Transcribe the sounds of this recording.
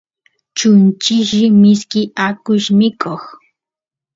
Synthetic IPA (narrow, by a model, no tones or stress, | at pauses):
t͡ʃʊnt͡ʃɪʒɪmɪskɪakʊʃmɪkʰoχ